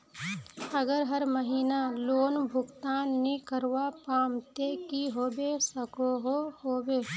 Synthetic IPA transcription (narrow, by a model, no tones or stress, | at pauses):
ɐɡəɾɦəɾməɦiːnaloːnbʱʊɡt̪aːnːĩkəɾwapaːmt̪ekiɦoːbesəkoɦohoːbeː